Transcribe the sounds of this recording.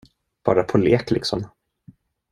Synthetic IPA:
b̥ɑ̰ːɾapʰɔleːklɪksɔm

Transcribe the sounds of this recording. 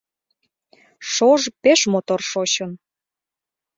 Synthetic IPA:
ʃoʒpeʃmot̪orʃot͡ɕən

